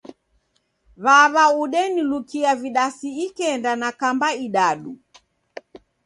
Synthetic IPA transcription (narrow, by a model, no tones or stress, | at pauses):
βaβauɗɛnilukiaviɗasiikɛndanakambaiɗaɗu